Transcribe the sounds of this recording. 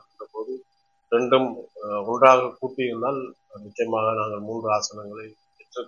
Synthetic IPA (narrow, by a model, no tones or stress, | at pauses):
nɐpoːðɯ | ɾɛɳɖɯmɔndraːɣɐkuːʈːɪɪɾɯnd̪aːlmʊt͡ʃːɐjɐmaːɣɐnaːŋɡɐɭmuːndrɯaːsɐnɐŋɡɐɭɐɪ | pɛʈrɯ